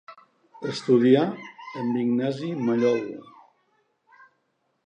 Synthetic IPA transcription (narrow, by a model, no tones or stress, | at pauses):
əst̪uðiaəmbiɡnazimaʎɔlu